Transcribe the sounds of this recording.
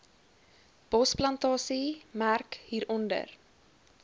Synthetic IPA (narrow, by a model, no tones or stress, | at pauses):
b̥ɔsplɐntɑːsimærkhiːɾɔndə̰r